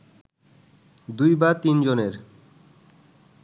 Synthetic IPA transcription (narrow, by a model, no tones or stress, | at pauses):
d̪ujbat̪ind͡ʑoneɾ